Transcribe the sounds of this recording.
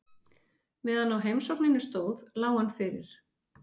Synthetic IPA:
vɛːðanawɦejmsɔwknɪnʏst̪oːwðlaːwanːfɪɾɪ̰ɾ̥

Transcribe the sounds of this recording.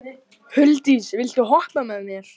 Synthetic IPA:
hʏlt̪isvɪlt̪ʏɦɔht̪amɛðmjɛɾ̥

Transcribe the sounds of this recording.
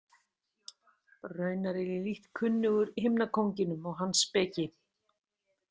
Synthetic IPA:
rœːɥnaɾɪɾiliht̪kʰʏnːʏɣʏɾhɪmnakʰowɲcɪnʏmɔɣɦanːspɛːcɪ

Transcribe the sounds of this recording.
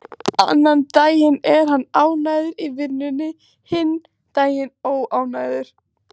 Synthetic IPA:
a̰nːant̪aːjɪnɛɾ̥ɦanːaːwnaːjðʏɾivɪɾnʏnːɪ | hɪnː | t̪aːjɪnoːwaːwnaːjðʏɾ̥

